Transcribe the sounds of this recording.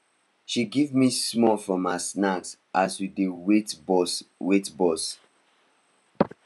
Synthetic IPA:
ʃiɡivmismɔlfɹɔ̃masnaksʔaswidewetbɔswetbɔs

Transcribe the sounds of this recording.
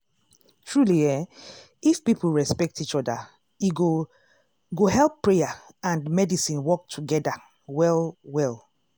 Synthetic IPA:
tʰɹuliɛ | ifpip̩ɹɛspɛk̚tit͡ʃɔda̰ | iɡo | ɡoɦɛlˠpːɹeja | ãndmɛdisĩnwɔk̚tʰuɡɛda | wɛlwɛl

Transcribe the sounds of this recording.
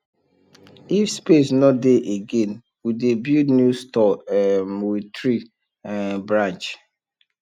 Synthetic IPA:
ifspesnɔdeʔeɡẽn | widebidnjustɔmwitʰɹi | bɹãnt͡ʃ

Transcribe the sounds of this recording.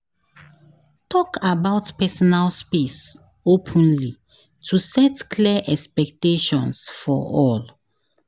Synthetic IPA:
tʰɔkʰabaʊtpɛsɔnalspes | opʰə̃nli | tʰusɛtkʰliʔɛkspɛk̚teʃɔ̃nsfɔ̰ʔɔl

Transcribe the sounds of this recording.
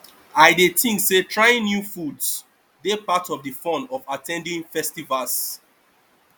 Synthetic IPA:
ajdetĩŋksetɹajĩnnːjufuds | depatɔvdəfɔ̃nɔvatɛ̃ndĩŋfɛstivals

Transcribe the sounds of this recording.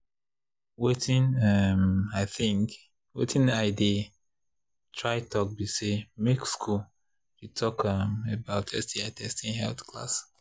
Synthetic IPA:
wetĩnamaɪθĩŋk | wḛtʰĩnaɪde | tʰɹaɪtʰɔk̚bisemekskʰul | b̥itʰɔkamebaʊtʰɛstiatʰɛstĩnhɛ̰lθkʰla̰s

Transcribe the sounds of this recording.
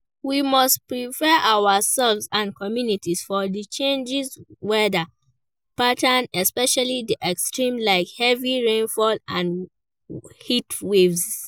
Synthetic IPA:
wimɔstpɹipɛʔawasɛlvsãnkɔmjunitisfɔdit͡ʃẽnd͡ʒiswɛda | patənɛspɛʃalidiʔɛkstɹĩmlaɪkhɛviɹẽnfɔlãn | hitwevs

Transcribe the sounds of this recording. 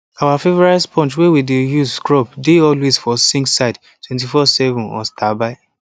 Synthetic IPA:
awafevɔɾaspʰɔ̃ntwɛwidejuzkɹɔpdeɔlwezfɔsĩŋɡsaɪd | twɛ̃nt̬ifɔsɛvɔ̃nɔ̰̃stʰabaɪ

